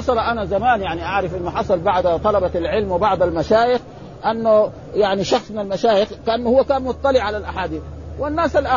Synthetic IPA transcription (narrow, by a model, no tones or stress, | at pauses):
ɑsˤɑlɑʔanazamaːnjaʕniʔaʕɾɪfɪnmʊħɑsˤɑlbaʕd̪t̪ˤɑlɑbalʕɪlmwɪbɑʕd̪ˤalmaʃaːjɪx | ʔanːʊ | jaʕniʃɑxsˤmɪnalmaʃaːjɪxkaʔanːʊhʊwːakaːnmʊt̪ˤːɑlɪʕalalʔaħaːd̪iːθwɪnːaːsalʔa